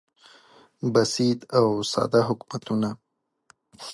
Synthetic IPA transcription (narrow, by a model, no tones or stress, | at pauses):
basid̪awsɑ̰d̪aɦʊkmat̪una